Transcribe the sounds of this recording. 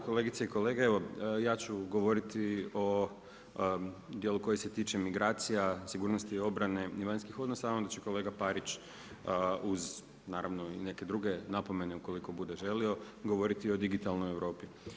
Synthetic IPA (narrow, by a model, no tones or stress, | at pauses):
ko̞le̞ɡit̪seiko̞le̞ɡeeʋo̞jaːt͡ʃuɡo̞ʋo̞ɾit̪io̞ | d̪je̞luko̞jeset̪iːt͡ʃe̞miɡɾaːt̪sijasiɡuːɾnost̪io̞bɾane̞iʋaɲnskixo̞d̪nosaamd̪at͡ɕeko̞le̞ːɡapaɾit͡ɕ | uz | naːɾaʋno̞ine̞ke̞d̪ɾuɡe̞napo̞me̞neuko̞liko̞bud̪eʒe̞lio̞ | ɡo̞ʋo̞ɾit̪io̞d̪iɡit̪alˠnojeʋɾo̞ːpi